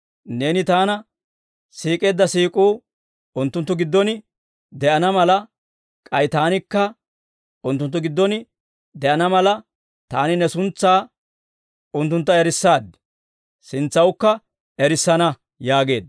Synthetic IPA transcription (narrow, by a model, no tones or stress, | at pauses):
ne̞ːnɪt̪aːnɐ | siːkʼe̞ːd̪ːɐsiːkʼuː | ʊnt̪ːʊnt̪ːʊɡɪd̪ːɔn | d̪ɛʔɐnɐmɐlɐ | kʼɐjt̪aːnɪkːɐ | ʊnt̪ːʊnt̪ːʊɡɪd̪ːɔn | d̪ɛʔɐnɐmɐlɐ | t̪aːnɪnɛsʊnt͡sːaː | ʊnt̪ːʊnt̪ːɐɛɾɪsːaːd̪ | sɪnt͡sːɐwʊkːɐ | ɛɾɪsːɐnɐ | jaːɡe̞ːd̪